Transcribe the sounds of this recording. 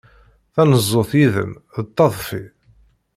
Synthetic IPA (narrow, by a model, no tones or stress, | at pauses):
θænəzˤːoθjiðə̰mðət̪ˤːɑðˤfi